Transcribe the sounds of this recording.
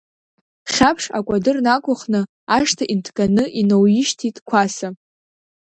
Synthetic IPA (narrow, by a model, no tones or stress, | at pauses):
χʲapʰʂa̰kʷʼadɨrnakʷʼʊχnɨ | aʂtʰaʔintʰkʼanɨʔinowjɪʃtʰitʼkʷʰasa